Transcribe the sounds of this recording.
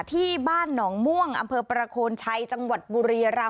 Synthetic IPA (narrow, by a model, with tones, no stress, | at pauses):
t̪ʰiː˥˩baː˥˩nːɔː˩˦ŋmu˥˩əŋʔa˧mpʰɤː˧pɾa˧kʰoː˧nt͡ɕʰa˧jt͡ɕa˧ŋwa˨˩t̪̚buː˧ɾiː˧ɾa˧